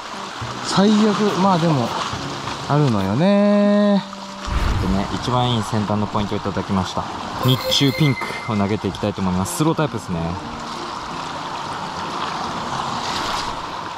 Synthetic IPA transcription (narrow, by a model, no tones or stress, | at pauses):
saijakɯ̟maːd̪e̞mo̞ | aɾɯ̟no̞jo̞ne | t̪ːene̞ʔit͡ɕibãĩːsẽ̞nt̪ãnːo̞po̞ĩnt̪oit̪ad̪akʲimaɕi̥t̪a̰ | ɲ̟it͡ɕɨːpʲĩŋkɯ̟̥o̞naɡe̞t̪e̞ikʲi̥t̪ait̪oːmo̞imasɨ̥sɨɾo̞t̪aipɯ̟d̪esɨne̞